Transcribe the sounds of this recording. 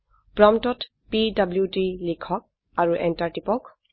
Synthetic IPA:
pɹɔmtɔt | pidabljutilikʰɔk̚ | aɹuʔɛntaɹtipɔk

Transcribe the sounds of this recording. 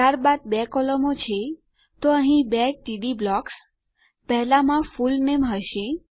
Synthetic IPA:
t̪aɾbad̪̚bɛkɔləmot͡ʃʰe | t̪oəɦĩbɛʈiɖiblɔks | pəɦlãmãfulnemɦəʃe

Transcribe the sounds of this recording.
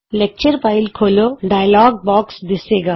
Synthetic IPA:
lɛk̚t͡ʃəɾpaːɪlkʰoːloɖaːjlɔːɡ̚bɔːksd̪ɪseːɡaː

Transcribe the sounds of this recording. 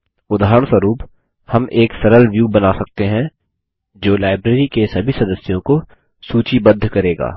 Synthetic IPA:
ʊd̪ʱaːɦɾəɳ̃səɾuːp | hɐmeːksɐɾəlʋjuːbɐnasɐk̚t̪eɦɛ̃ | d͡ʒoːlaːɪbɾeːɾikesɐbʱisɐd̪əsjõko | suːt͡ʃibɐd̪ʱːkɐɾeːɡa̰ː

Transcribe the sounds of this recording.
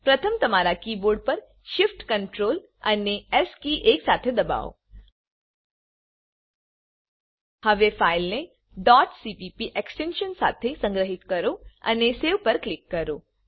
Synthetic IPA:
pɾət̪ʰəmt̪əmaɾakiːboːɾɖ̚pəɾ | ʃɪfʈkə̃ɳʈɾoːl | ə̰neɛskiʔeːksat̪ʰed̪ɐba̰o̰ | həʋefaɪlne | ɖɔːʈsipipiʔɛksʈẽnʃənsa̰t̪ʰesə̃ŋɡɾəɦɪt̪kəɾoə̰neseʋpəɾklɪkːəɾoː

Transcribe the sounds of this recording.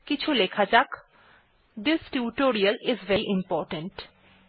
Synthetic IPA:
kɪt͡ʃʰulekʰad͡ʒak | d̪ɪsʈuːʈoːɾiəlɪzʋɛiʔɪ̃mpɔːʈə̃ɳʈ

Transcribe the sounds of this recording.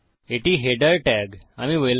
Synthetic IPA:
eʈiːɦeɖəɾʈɛɡamiːʋel

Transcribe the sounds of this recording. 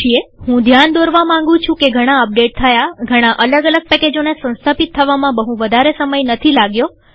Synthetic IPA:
ieɦũd̪ʱjand̪oɾʋamãŋɡũt͡ʃʰũkeɡʱəɽ̃aəp̚ɖeʈ̚t̪ʰəjaɡʱəɽ̃aʔələɡələɡ̚pɛked͡ʒonesə̃w̃st̪ʰapit̪ʰːəʋamãbəɦũʋəd̪ʱaɾesəməjnət̪ʰilaɡjo

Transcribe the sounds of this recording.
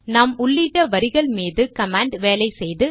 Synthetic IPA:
nɐmʊɭːiʈːɐʋɐɾɪɣɐɭmiːðɯkɐmaːɳɖʋeːlɐɪsɛjðɯ

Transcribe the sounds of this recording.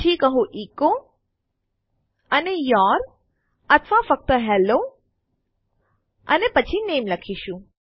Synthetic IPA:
ikəɦũʔiko | ənejɔɾ | ət̪ʰʋãfək̚t̪əɦɛlo | ə̰nepət͡ʃʰinemləkʰiʃũ

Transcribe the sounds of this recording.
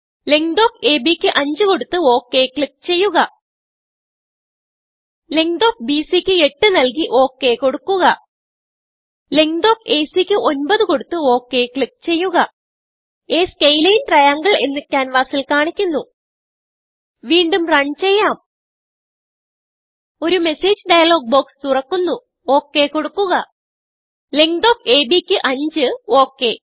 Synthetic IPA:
le̞ŋd̪o̞ːkeːbikʲːɨʔɐɲd͡ʑɨko̞ɽut̪ːɨoːkːe̞kɭik̚t͡ɕe̞jːuɣɐ | leŋd̪oːk̚biːsikʲːɨe̞ʈːɨnɐlk̬iʔo̞ːkːe̞ko̞ɽukːuɣɐ | le̞ŋd̪o̞ːke̞ːsikʲːɨʔo̞nbɐðɨko̞ɽut̪ːɨo̞ːkːe̞kɭik̚t͡ɕe̞jːuɣɐ | eːskejlɐjinʈrɐjaŋɡɐɭe̞nːikʲːaːnʋaːsilkaːɳikʲːunːu | ʋiːɳɖumrɐɳt͡ɕe̞jːaːm | o̞ɾume̞seːd͡ʑɖɐjɐlo̞ːɡ̚bo̞ːkst̪urɐkːunːu | o̞ːkːe̞ko̞ɽukːuɣɐ | leŋd̪o̞ːpe̞ːbikʲːɨʔɐɲd͡ʑɨo̞ːkːe̞

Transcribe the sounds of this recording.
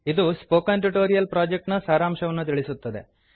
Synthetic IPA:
id̪uspoːkɐnʈuʈoːɾijɐlpɾaːd͡ʒek̚ʈnɐsaːɾaːmʃɐʋɐnːut̪̬iɭisut̪ːɐd̪e̞̰

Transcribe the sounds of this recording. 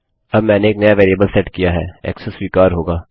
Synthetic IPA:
ɐbmɛ̃ːneːknɐjaʋeːɾiebəlsɛʈkijaɦɛ̰ːɛ̰ːksɛswiːkaːɾɦoːɡaː

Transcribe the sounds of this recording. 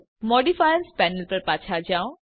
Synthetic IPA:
mɔːɖifajənspɛːnəlpɐɾpaːt͡ʃʰad͡ʑaːõ

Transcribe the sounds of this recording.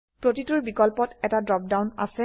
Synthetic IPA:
pɹotituɹbikɔlpɔtɛtadɹɔp̚dawna̰sɛ

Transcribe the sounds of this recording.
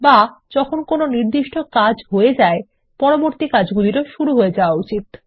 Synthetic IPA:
bad͡ʑɔkʰonkononiɾd̪iʃʈʰokad͡ʑɦoed͡ʑae | pɔɾoboɾt̪ikad͡ʑɡuliɾoʃuɾuɦoed͡ʑaoaut͡ɕit̪

